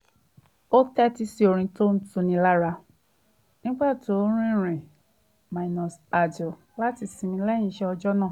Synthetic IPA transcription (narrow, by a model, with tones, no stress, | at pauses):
o˦tɛ˦ti˧si˧o˧ɾ̃ĩ˧to˦n̩˦tũ˧nĩ˧la˦ɾa˧ | nĩ˦k͡pa˦˨to˨˦ɾ̃ĩ˦˨ɾ̃ĩ˨ | ma˨nɔ̃˨sa˨dɔ˨ | la˦ti˧sĩ˨˧mĩ˧lɛ˦jĩ˧˦ʃɛ˧˦ɔ˧d͡ʒɔ˦nãː˦˨